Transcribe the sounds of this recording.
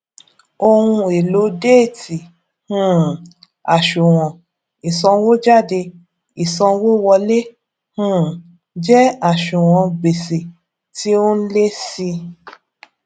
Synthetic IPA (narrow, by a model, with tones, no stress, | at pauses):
o˧hũ˧e˨lo˨˦de˦˨ti˨ | hũ˦˨ | a˨ʃu˨w̃ɔ̃˨ | i˨sɔ̃˧wo˦d͡ʒa˦˨de˧ | i˨sɔ̃˧wo˦wɔ˧le˦ | hũ˦ | d͡ʒɛ˦a˨ʃu˨w̃ɔ̃˨˧ɡ͡be˨se˨ | ti˦o˦n̩˦le˦si˧